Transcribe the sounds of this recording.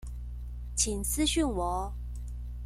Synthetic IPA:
t͡ɕʰi˨˩nsʰɹ̩˥˦ɕy˥˩nwɔ˨˥˦

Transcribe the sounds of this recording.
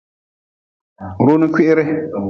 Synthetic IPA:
ɾo˦nɪ̃˦kʷɪ˦ʔɪ˦ɾɪ˦

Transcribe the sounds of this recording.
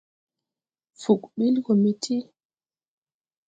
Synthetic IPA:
fu˨kɓi˦lkɔ˨mi˦tʰi˦

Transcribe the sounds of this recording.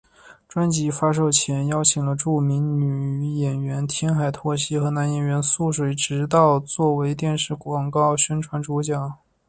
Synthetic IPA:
ʈ͡ʂwa˥nt͡ɕi˧˥fa˥ʂ̬o˥˩ʊt͡ɕʰjɛ˧˥njɑ˥ʊt͡ɕʰi˨˩ŋlə˦ʈ͡ʂu˥˩mi˧˥ŋny˨˩˧jɛ˨˩nɥɛ˧˥nt̪ʰjɛ˥nxa˨˩ɪt̪ʰwɔ˥˩ɕi˥xɤ˧˥na˧˥njɛ˨˩nɥɛ˧˥nsu˥˩ʂ̬we˨˧˩ɪʈ͡ʂɻ̩˧˥t̪ɑ˥˧ʊt͡swɔ˥˩we˧˥ɪt̪jɛ˥˧nʂɻ̩˥˩kwɑ˨˩ŋkɑ˥˩ʊɕɥɛ˥nʈ͡ʂʰwa˧˥nʈ͡ʂu˧˥t͡ɕjɑ˨˩˦

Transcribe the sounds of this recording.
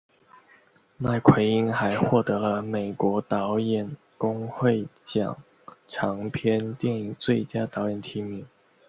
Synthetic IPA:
ma˥˩ɪkʰwe˧˥ɪi˥ŋxa˧˥ɪxwɔ˥˩t̪ɤ˧˥lə˧me˨˩ɪkwɔ˧˥t̪ɑ˧˥ʊjɛ˨˩n | kʊ˥ŋxwe˥˩ɪt͡ɕjɑ̰˨˩˦ŋ | ʈ͡ʂʰɑ˧˥ŋpʰjɛ˥nt̪jɛ˥˧ni˧˥ŋt͡swe˥˩ɪt͡ɕja˥t̪ɑ˧˥ʊjɛ˨˩nt̪ʰi˧˥mi˨˧˥

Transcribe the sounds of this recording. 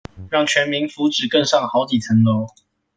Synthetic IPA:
ɻɑ˥˨ŋt͡ɕʰɥɛ˧˥nmi˧˦ŋfu˨˦ʈ͡ʂɻ̩˨˩kə˥˧ŋsɑ˥˩ŋxɑ˧˥ʊt͡ɕi˨˩t͡sʰə˧˥ŋlo˨˦ʊ

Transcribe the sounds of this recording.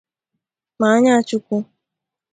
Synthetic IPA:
ma˨˦ɲa˦t͡ʃu˦ku˦

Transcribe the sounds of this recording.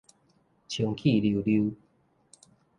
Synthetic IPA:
t͡ɕʰjo˨˩˦ŋkʰi˥˨lji˨lju˦

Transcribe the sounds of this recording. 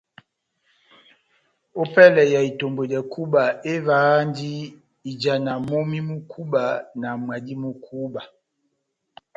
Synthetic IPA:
o˦pɛ˦lɛ˨ja˨i˨to˨mbo˨dɛ˨ku˦ba˨e˦vaː˨˦ndi˦ | i˨d͡ʒa˨na˨mo˦mi˦mu˦kʰu˦ba˨na˨mwa˨di˦mu˦kʰu˦ba˨

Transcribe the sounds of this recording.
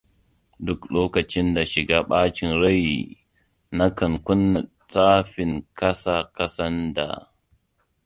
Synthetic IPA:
dʊ˦kloː˦kɐ˨t͡ʃɪ˦nda˨ʃɪ˨ɡaː˦ɓaː˦t͡ʃɪ˨nɾɐ˦ji˨ | na˦kɐ˨ŋkʷʊ˦nːa˨ | t͡sʼaː˦ɸɪ˨ŋkɐ˦sa˨kɐ˦sɐ˦nda̰˨

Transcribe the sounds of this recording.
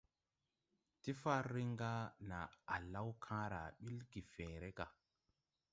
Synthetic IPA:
ti˦fa˦ɾːi˦ŋɡa˦na˨a˨la˦wkʰãː˦ɾa̰˨ɓi˦lɡi˨fe˨ɾe˦ka˨

